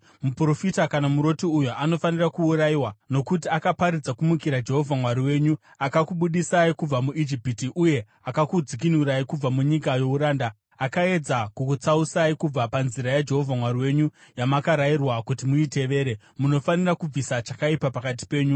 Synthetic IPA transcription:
mupro̞fitakanamuɾo̞tiujuano̞fanirakuuɾajiwano̞kutiakapaɾid͡zakumukiɾad͡ʒe̞ɦo̞vʱamwaɾiwe̞ːɲu | akakuɓuɗisaikub͡vamuʔid͡ʒipitiʔuje̞ | akakud͡zik̬inuɾaikub͡vamuɲikajo̞uɾaːnda | akae̞d͡zakukut͡sausaikub͡vapanziɾajad͡ʒe̞ɦo̞vʱamwaɾiwe̞ɲujamakaɾairwakutimuite̞ʋe̞ːɾe | muno̞fanirakub͡visat͡ʃakaipapakat̬i̥pe̞ːɲu

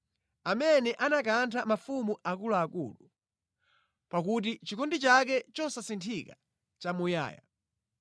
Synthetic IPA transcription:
amɛnɛʔanakantʰamafumuʔakulaːkṵːlu | pakut̬it͡ʃikʰɔndit͡ʃakɛt͡ʃɔsasintʰika | t͡ʃamuja̰ːja̰

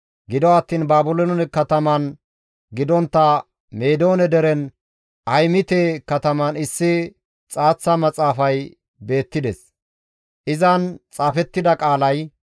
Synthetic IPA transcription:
ɡɪd̪ɔɐt̪ːiːnbaːbʊlonɔnɛkɐt̪ɐmɐn | ɡɪd̪ɔnt̪ːɐ | meːd̪o̞ːnɛd̪ɛɾɛn | ɐjmɪt̪ekɐt̪ɐmɐnɪsːɪ | t͡sʼaːt͡sːɐmɐt͡sʼaːfɐj | be̞ːt̪ːɪd̪ɛs | ʔɪzɐnt͡sʼaːfɛt̪ːɪd̪ɐkʼaːlɐj

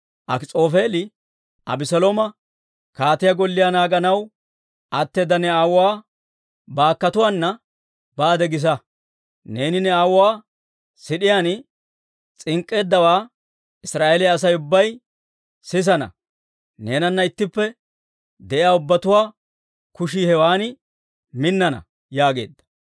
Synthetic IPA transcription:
ʔɐ̰kt͡sʼo̞ːfe̞ːlɪ | ʔɐ̰bɪsɔloːmɐ | kaːt̪ɪjɐɡɔlːɪjanaːɡɐnɐw | ʔɐt̪ːeːd̪ɐnɛaːwʊwaː | baːkːɐt̪ʊwaːnːɐ | baːd̪ɛɡɪs̬ɐ | ne̞ːnɪnɛaːwʊwaː | sɪɗɪjaːn | t͡sʼɪŋkʼːe̞ːd̪ːɐwaː | ɪsɾaːʔelɪɐs̬ɐjʊbːɐj | sɪs̬ɐnɐ̰ | ne̞ːnɐnːɐɪt̪ːɪpːɛ | d̪ɛʔɪjaːʊbːɐt̪ʊwaː | kʊʃiːhɛwaːnɪ | mɪnːɐnɐ̰ | jaːɡe̞̰ːd̪ːɐ̥

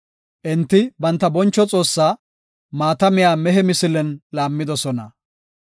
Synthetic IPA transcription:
ʔɪnt̪ːɪbɐnt̪ːɐbɔnt͡ʃːɔt͡sʼo̞ːsːaː | maːt̪ɐmɪjaːmɛɦɛmɪsɪlɛnlaːmːɪd̪ɔsɔnɐ̰

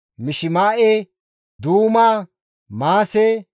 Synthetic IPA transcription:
mɪʃɪmaːʔe | d̪uːmaː | maːsɛ

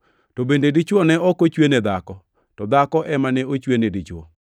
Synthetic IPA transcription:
tobendedit͡ʃwɔnɛɔkot͡ʃwened̪akɔ | tɔd̪akɔʔɛmanɛot͡ʃwenedit͡ʃwɔ̰

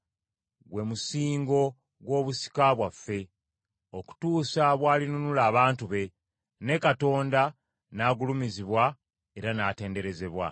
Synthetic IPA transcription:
ɡwe̞musiːŋɡo̞ | ɡwo̞ːβusi̥kaβwafːe̞ | o̞ku̥tuːsaβwaːlinunulaːβaːntuβe̞ | ne̞kato̞ːnda | naːɡulumiziβwa | e̞ɾanate̞ːnde̞ɾe̞ze̞βwa̰

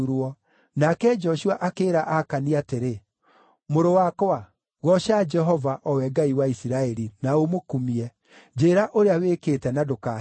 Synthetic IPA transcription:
uɾɔ | nakɛd͡ʒɔʃuaʔakeːɾaʔakaniateɾe | moɾowakwa | ɣɔʃad͡ʒɛɦɔvaʔɔwɛɡaiwaisiɾaɛɾinaomokumiɛ | d͡ʒeɾaʔoɾeawekeːtɛnadoka

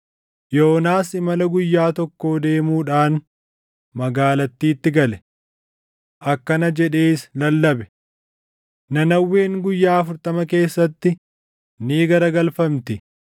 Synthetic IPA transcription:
jo̞ːnaːsɪmɐlɐɡʊjːaːt̪ɔkːo̞ːd̪e̞ːmuːᶑaːn | mɐɡaːlɐt̪ːiːt̪ːɪɡɐlɛ | ʔɐkːɐnɐd͡ʒɛᶑe̞ːɪslɐlːɐbɛ | nɐnɐwːe̞ːŋɡʊjːaːɐfʊɾt̪ɐmɐke̞ːsːɐt̪ːɪ | niːɡɐɾɐɡɐlfɐmt̪ɪ

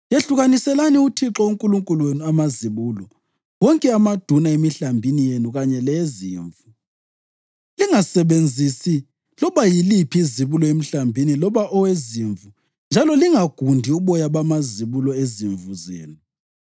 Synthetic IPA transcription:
jeɬuɣanisɛlaniutʰiǁɔuŋkʼuluŋkʼulwenuamaziβuːlɔ | wɔŋkʼɛamad̥ʱunaemiɬambʱinijenuɣaɲɛlɛziːɱvu | liŋasɛβend͡zʱisi | lɔβajilipʰiiziβulɔem̩ɬambʱinilɔβaʔɔweziɱvu | nd͡ʒʱalɔliŋaɡ̥ʱundʱiuβɔjaβamaziβulɔeziɱvuzḛːnu

